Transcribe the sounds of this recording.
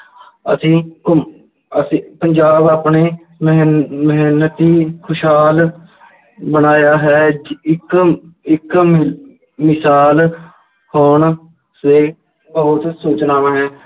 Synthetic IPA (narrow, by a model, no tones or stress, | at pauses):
əsĩː | əsipəɲd͡ʒaːbaːpɳeː | məɦɛnːət̪iːkʰʊʃɦaːl | bənaːjaːɦɛːɪkɪk | mɪsaːl | hoːn | seː | bəɦʊt̪soːt͡ʃnaːʋãːɦɛ̃ː